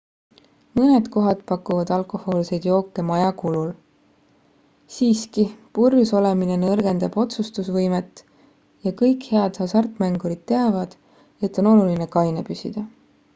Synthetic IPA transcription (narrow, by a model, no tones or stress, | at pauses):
mɤne̞d̪̥ko̞ɦɑd̪pɑkːˑuvɑd̪̥ɑlkˑo̞ho̞ːlse̞jd̪̥jo̞ːkːˑe̞mɑjɑkulul | siːskipurjuso̞le̞mine̞nɤrɡ̥e̞nd̪ɑb̥o̞t̪sust̪usvɤjmet̪ː | jɑkɤjkhe̞ɑd̪̥hɑsɑrt̪ˑmæŋɡuɾid̪̥̚t̪ːe̞ɑvɑd̪̥ | e̞t̪ːˑo̞no̞luline̞kɑjnepysʲid̪̥ɑ